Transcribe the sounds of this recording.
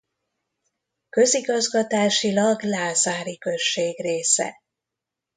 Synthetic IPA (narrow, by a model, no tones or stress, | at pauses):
kø̞ziɡɒzɡɒt̪aːʃilɒɡlaːzaːɾikø̞ʃːeːɡreːsɛ̰